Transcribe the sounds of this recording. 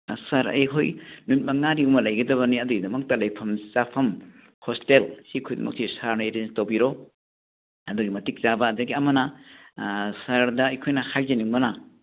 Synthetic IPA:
sɐɾɐ̰jkʰojnumit̚mɐŋaɾiumɐlɐjɡɐdɐβɐniɐduɡidɐmɐk̚tɐlɐjpʰɐmt͡ʃapʰɐm | hostelsikʰojdɐ̰mɐ̰k̚sisaɾnɐeɾenstɐwbiɾo | ɐduɡimɐtik̚t͡ʃabɐːdɐɡiɐmɐnɐ | sɐɾdɐːjkʰojnɐhʰajzɐniumɐna

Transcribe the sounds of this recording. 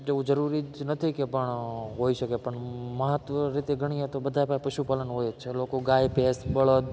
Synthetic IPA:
d͡ʒeʋũd͡ʒəɾuɾinət̪ʰikepəɳɦoiʃəkepəɳməɦət̪ʋəɾit̪eɡʱəɽ̃iɦẽt̪obəd̪ʱapapəʃupalənɦoːjet͡ʃʰelokoɡaːjpesbəɭəd̪

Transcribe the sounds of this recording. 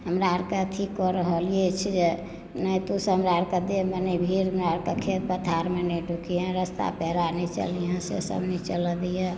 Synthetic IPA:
ɦəmɾaɾket̪ʰikːɔɾəɦəlijet͡ʃʰid͡ʒe | nəjt̪usəɦəmɾaɾked̪eebənibʱiɾəmɾaɾkekʰet̪̚bət̪ʰaɾmenəɖʱukiɦɛ̃ɾəst̪a̰pɛɦɾanɛt͡ʃə̰liɦɛ̃sḛsə̰bnɛt͡ʃələd̪ije

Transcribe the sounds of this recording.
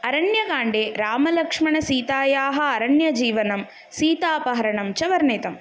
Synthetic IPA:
ɐɾɐɳjɐɡaːɳɖeːɾaːmɐlɐkʂmɐɳɐsiːt̪aːjaːɦɐ̆ɐɾɐɳjɐd͡ʒiːʋɐnɐm | siːt̪aːpɐɦɐɾɐɳɐmt͡ʃɐʋɐɾneːt̪ɐm

